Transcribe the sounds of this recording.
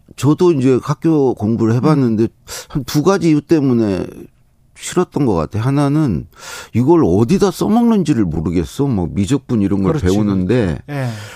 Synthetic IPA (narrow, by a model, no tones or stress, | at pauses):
t͡ɕʌdoind͡ʑe̞kʰak͈̚jokoŋbuɾɯɭhe̞banːɯnde̞hantuɡad͡ʑiːut͈e̞mune̞̰ | ɕʰiɾʌt̚t͈ʌnɡʌk͈a̰tʰe̞ɦananɯniɡʌɭʌdidas͈ʌmaŋnɯnd͡ʑiɾɯɭmoɾɯɡe̞s͈ʌma̰k̚mid͡ʑʌk̚p͈uniɾʌnɡʌɭpe̞onɯnde̞